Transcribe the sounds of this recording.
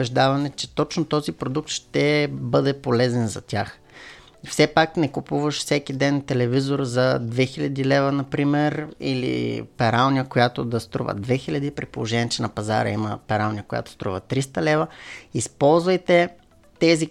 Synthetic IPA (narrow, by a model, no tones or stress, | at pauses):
bɛʒd̪avɐnɛt͡ʃɛ̥t̪ɔt͡ʃnot̪ɔzipɾod̪uk̚t̪ʃt̪ɛbɤd̪ɛpolɛzɛnzɐt̪ʲax | fsɛpaknɛkupuvəʃfsɛkid̪ɛnt̪ɛlɛvizoɾzɐd̪vɛxilʲɐd̪ilɛvənɐpɾimɛɾḭlḭpɛɾalˠnijəkojat̪od̪ɐst̪ɾṵvə̰d̪vɛxilʲɐd̪ipɾipo̰lˠoʒɛnʲiət͡ʃɛnɐpɐza̰ɾɐ̰iməpɛɾalˠnʲijəkoja̰t̪o̥st̪ɾuvət̪ɾist̪əlɛvəispɔlˠzvəjt̪ɛ | t̪ɛzi